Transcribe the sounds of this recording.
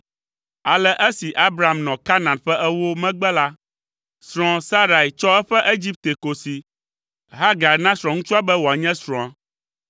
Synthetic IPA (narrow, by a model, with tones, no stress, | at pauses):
a˨lɛ˦ʔɛ˦si˨ʔa˦bɾa˨a˨mnɔ̃˨ka˦nã˨nɸɛ˦ʔɛ˦wo˦mɛ̃˦ɡ͡bɛ˦la˦ | sɾ̃ɔ̃˨sa˦ɾa˨i˨t͡ʃɔ˦ɛ˦ɸɛ˦ʔe˦d͡ʑi˦p̚t̪e˨ko˨si˨ | ɦa˦ɡa˨nã˦sɾɔ̃˨ŋũ˦t͡ʃu˦a˦bɛ˦wo˨a˨ɲɛ̃˦sɾɔ̃˨a˨